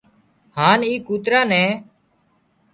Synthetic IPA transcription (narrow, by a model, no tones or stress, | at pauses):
haːniːkuːt̪ɾaːnɛ̃ː